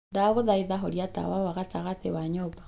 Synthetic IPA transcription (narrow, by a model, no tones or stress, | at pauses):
ndaɣoðaiðaɦoɾjata̰wawaɣataɣatewaɲopḁ